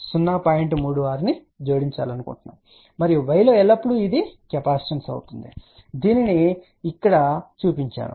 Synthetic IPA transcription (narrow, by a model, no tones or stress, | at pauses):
sunːaːpaːjeɳʈmuːɽuʋaːɾini | d͡ʒoːɽiɲt͡ʃa̰ːlɐnukṵɳʈunːa̰ːm | mɐɾiʋɐjloːɛlːɐpːuɽuid̪ikɛpaːst͡ʃɐnsɐ̰wut̪und̪i | d̪iːniniː | kːɐɽɐt͡ʃuːpiɲt͡ʃa̰ːɽṵ